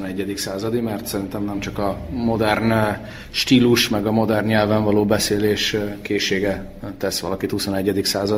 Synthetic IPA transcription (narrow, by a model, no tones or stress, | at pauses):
nɛɟːɛd̪iksaːzɒd̪imɛrt̪sɛɾint̪ɛmnɛmt͡ʃɒkɒmo̞d̪ɛrn | ʃt̪iːluʃmɛɡɒmo̞d̪ɛrnɲɛlvɛɱvɒloːbɛseːleːʃkeːʃːeːɡɛ | t̪ɛsʋɒ̰lɒkit̪husonɛɟːɛd̪iksaːzɒ